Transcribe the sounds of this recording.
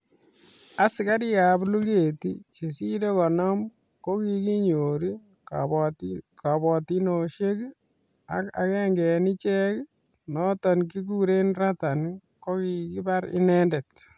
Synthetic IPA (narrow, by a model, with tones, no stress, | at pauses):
a˨sɪ˨ka˦ɾɪ˦ja˨blu˦ke˨tit͡ʃe˨si˦de˦kɔ˨nɔ˦m | ko˦kiki˦ɲoː˨ɾi˦ | ka˨bɔ˨tinoʃe˦k | a̰˦ka̰˨kɛ˦ŋɡɛ˨ni˦t͡ʃɛ˦k | nɔtɔ˨nk̬i˦k̬uɾe˦nrata˨niko˦kiki˦baɾɪ̰˦nɛnde˨t̚